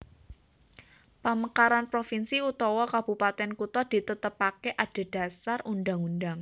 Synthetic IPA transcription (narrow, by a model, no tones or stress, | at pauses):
pəməkaɾanpɾofinsiut̪ɔwɔkab̥ṳpat̪ɛnkut̪ɔd̥i̤t̪ət̪əpakeʔad̥a̤d̥a̤sarundaŋundaŋ